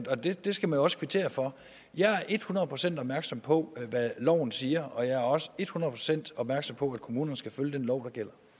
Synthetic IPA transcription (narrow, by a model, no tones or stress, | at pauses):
ɒd̥e̝d̥e̝sɡ̥æmænjoɒ̽səkʰʋit͡sʰe̝̰ːɐfɒ̽ | jɑ̈ɪæɐʔe̝d̥hunɐð̩ˠpʰʁosen̰d̥ɒb̥̚mæɐɡ̥sɒ̽m̰pʰɒ̽ʋælɒʊ̰n̩siːɐɒ̽jɑ̈ɪæɐɒ̽səe̝d̥hunɐðˠpʰʁo̝sen̰d̥ɒ̽b̥̚mæɐɡ̥sɒ̽m̰pʰɒ̽æd̥kʰo̝muːnɐnəsɡ̥æføljəd̥enlɒʊ̰d̥ɑ̈ɡ̥el̰ɐ